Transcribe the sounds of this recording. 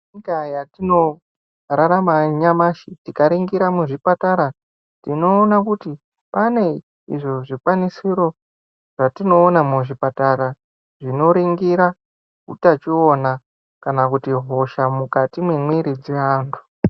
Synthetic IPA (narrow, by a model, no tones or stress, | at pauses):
ikajatino̞ | ɾaɾamaɲamaʃitikaɾiŋɡiɾamuʐipataɾa | tino̞ːnakuti | pane̞ | ḭʐoʐikwanisiɾo̞ | ʐ̥atino̞ːnamuʐipataɾa | ʐino̞ɾiŋɡiɾa | kṵtat͡ʃio̞na | kanakutiɦo̞ʃamukatimwemwiɾid͡zeaːndu̥